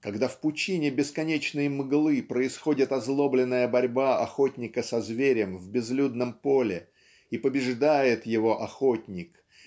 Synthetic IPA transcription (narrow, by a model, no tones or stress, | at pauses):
kɐɡd̪afpʊt͡ɕinʲɪbʲɪskɐnʲet͡ɕnɨjəmɨɡlˠɨpɾəɪsxo̞dʲɪt̪ɐzlˠo̞blʲɪnːəjəbɐɾʲbaɐxo̞tʲnʲɪkəsɐzvʲeɾʲəmvbʲɪzlʲud̪nəmpo̞lʲɪ | ipəbʲɪʐd̪ajɪt̪jɪvo̞ʔɐxo̞tʲnʲɪk